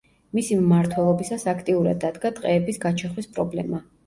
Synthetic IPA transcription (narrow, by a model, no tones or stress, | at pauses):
misimːaɾt̪ʰwɛlˠɔbisasakʰt̪ʼiuɾa̰d̪ːad̪ɡat̪ʼqʼɛːbisɡat͡ʃʰɛχwispʼɾɔblɛma